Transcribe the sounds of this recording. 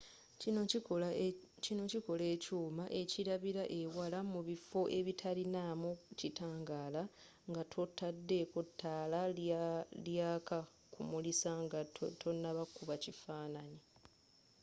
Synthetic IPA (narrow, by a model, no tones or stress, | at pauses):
cino̞ciko̞le̞ːcuːmaʔe̞ciɾaβiɾaʔe̞walamuβifo̞ʔe̞βitʰalinamucitaːŋɡaːla | ŋɡatʰotːadːe̞kotʰːaːla | ljaːka | kʰumulisaŋɡatʰo̞nːaβakːuβacifaːnani